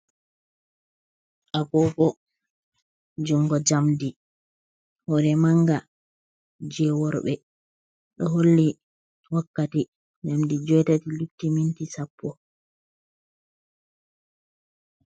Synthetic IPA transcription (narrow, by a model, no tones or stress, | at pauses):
ʔaɡɔkɔ | d͡ʒuŋɡɔd͡ʒamdi | hɔɾɛmaŋɡa | d͡ʒɛwɔɾɓɛ | ɗɔɦolːi | wakːati | d͡ʒamdid͡ʒɔjtatiluktːimintisapʰːɔ